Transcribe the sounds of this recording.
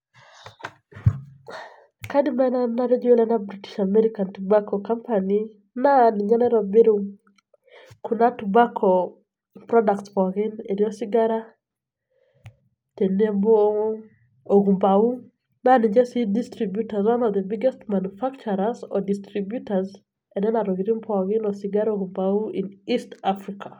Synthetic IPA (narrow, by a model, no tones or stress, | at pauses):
kadimananaɾɛd͡ʒuelɛnabɾiti̥ʃamɛɾikantubakɔkampani | naniɲɛnɛɾɔbeɾu | kunatubakʰɔ | pɾɔdaktwɔɣineɾiɔsiɡaɾa | tenemboo | oɡumbau | naniɲd͡ʒɛsidistɾibjutazwanɔd̪ɛbiɡɛstmanufakt͡ʃɔɾazɔdistɾibjutaz | ɛnɛnaɾɔɡiɾimpɣɪnɔsɪɡaɾoɡumbauʔinistafɾikʰa